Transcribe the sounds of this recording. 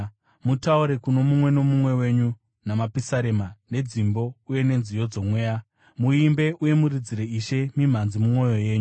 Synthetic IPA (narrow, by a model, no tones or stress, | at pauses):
mutauɾe̞kuno̞mumwe̞no̞mumwe̞we̞ːɲu | namapisaɾemane̞d͡zimbo̞uje̞ne̞nzijo̞d͡zo̞mwe̞ːja | muimbe̞ʔuje̞muɾid͡ziɾeiʃe̞mim̤anzimumo̞jo̞je̞ːɲu